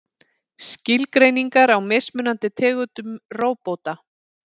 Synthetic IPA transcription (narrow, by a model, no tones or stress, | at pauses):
scɪlkɾejniŋkaɾawmesmʏnant̪ɪt̪ʰɛːɣʏt̪ʏmroːwpowt̪a